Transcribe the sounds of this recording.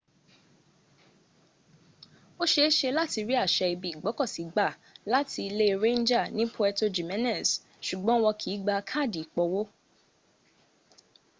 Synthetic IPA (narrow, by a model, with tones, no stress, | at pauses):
o˦ʃe˦ʃe˧la˦ti˧ɾi˦a˦˨ʃɛ˧i˧bi˨ɡ͡bɔ˨˦kɔ˦˨si˨˦ɡ͡ba˦˨ | la˦ti˧le˦˧ɾẽ˦n˦d͡ʒa˦˨nĩ˨˦pʰo˧ɛ˧to˧d͡ʒi˨mɛ̃˦nɛ̃˦˨s | ʃu˨ɡ͡bɔ̃˨˦wɔ˧kʰi˨˦ɡ͡ba˧kʰa˦˨di˨k͡pɔ˧wo˦